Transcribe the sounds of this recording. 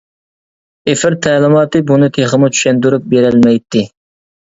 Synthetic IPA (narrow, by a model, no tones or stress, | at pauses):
efɪɾt̪ʰɛːlɪmɑːt̪ɨbunɨt̪ʰeχəmut͡ʃʰy̥ʃɛnd̪uɾup̚beɾɪlmɛjt̪ːɪ